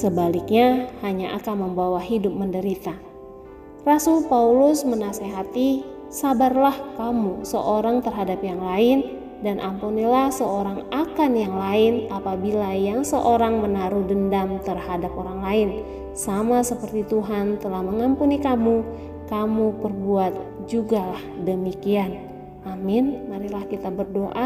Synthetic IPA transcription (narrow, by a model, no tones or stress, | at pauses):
səbalik̚ɲahaɲaʔa̰kanməmbawaɦidʊp̚məndəɾit̪a | rasʊlpaulʊsmənaseɦat̪i | sabarlahkamusəʔoɾaŋt̪ərɦadapjaŋlaɪn | danʔampunilahsəoɾaŋakanjaŋlaɪnapabilajaŋsəʔoɾaŋmənaɾudəndamt̪ərhadap̚oɾaŋlaɪn | samasəpərt̪it̪uɦant̪əlahməŋampunikamu | kamupərbuat̪̚d͡ʒuɡalahdəmikian | ʔamɪnmaɾihlahkit̪abərdoʔa